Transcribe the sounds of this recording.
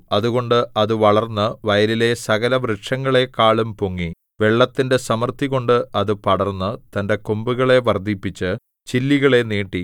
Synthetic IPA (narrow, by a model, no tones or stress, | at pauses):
ɐðuɣo̞ɳɖɨʔɐðɨʋɐɭɐrnːɨʋɐjɐlile̞sɐɣɐlɐʋɾeʈʂɐŋːɐɭe̞kːaːɭumpoŋːi | ʋe̞ɭːɐt̪ːinde̞sɐmɐrt̪iɣo̞ɳɖɨɐðɨpɐɽɐrnːɨt̪ɐnde̞kombuɣɐɭe̞ʋɐrd̪ʱipːit͡ɕːɨ | t͡ɕilːiɣɐɭe̞neːʈːi